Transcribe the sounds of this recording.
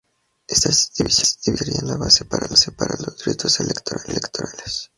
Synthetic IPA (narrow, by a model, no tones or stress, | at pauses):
est̪asd̪iβisasd̪iβiɾienlaβasepaɾalosepaɾalozd̪ɾet̪oselekt̪oɾalekt̪oɾales